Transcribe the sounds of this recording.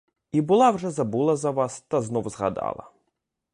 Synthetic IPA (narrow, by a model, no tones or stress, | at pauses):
ibulˠawʐɛzɐbulˠɐzɐʋast̪ɐznɔwzɣa̰d̪a̰lˠɐ̰